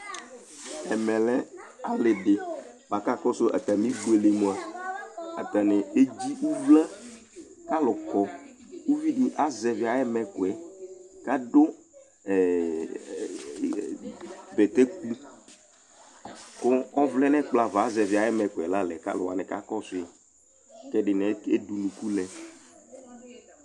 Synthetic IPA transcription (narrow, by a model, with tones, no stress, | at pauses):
ɛ˨mɛ̃˨lɛ˦a˨le˨ɖe˨ | ba˨ka˦kɔ˦so˦ʔa̰˨t̪a˨mĩ˦bu˦e˨le˨mo˨˦a˨ | a̰˨t̪a˨nɛ˨e˦d͡ʑi˦wu˦vlɛ˦ | ka˦lɔ˨kɔ˨wu˦vi˦ɖi˦ʔa˦zɛ˨vi˨a˨ɛ˦mɛ̃˨ko˨ɛ˨ka˦ɖo˦ | ɛ˨ | bɛ˨t̪ɛ˦k̚u˦ | kʊ˦ɔ˦vlɛ˦nɛ˦k͡pla˨va˨˦zɛ˨vɪ˨a˨jɛ˦mɛ˨kʊ˨ɛ˨la˦lɛ˨ka̰˦lʊ̰˨wa̰˨nɛ˨ka̰˦kɔ˦sʊ˦a˨ | kɛ˦ɖɪ˨nɛ˨˦e˦du˨nũ˨ku˦lɛ˨